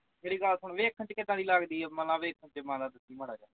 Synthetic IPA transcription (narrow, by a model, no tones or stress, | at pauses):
meːɾiːɡəlsʊɳʋeːkʰːə̃nt͡ʃkɪd̪ãːd̪iːlaɡd̪iːɛːməlaːʋeːkʰə̃nt͡ʃəmãːd̪aːd̪ɪsiːməɽaːd͡ʒãːa